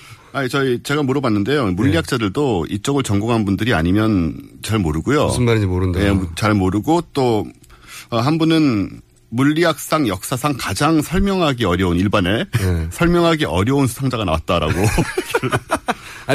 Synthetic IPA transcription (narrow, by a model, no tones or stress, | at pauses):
aɲit͡ɕʌit͡ɕe̞ɡamuɾʌbanːɯnde̞jomuʎːiak̚t͡ɕ͈adɯɭdoit͡ɕ͈ʌɡɯɭt͡ɕʌŋɡoŋɦanbundɯɾia̰ɲimjʌnt͡ɕaɭmoɾɯɡujo̰smmaɾid͡ʑimoɾɯndejet͡ɕaɭmoɾɯɡot͈o | ʌɦanbunɯn | muʎːiak̚s͈aŋjʌk̚s͈asʰaŋkad͡ʑaŋsʰʌɭmjʌŋɦaɡeʌɾjʌuniɭbane̞sʰʌɭmjʌŋɦaɡeʔʌɾjʌunsʰu̥sʰaŋd͡ʑaɡanawat̚t͈aɾa̰ɡok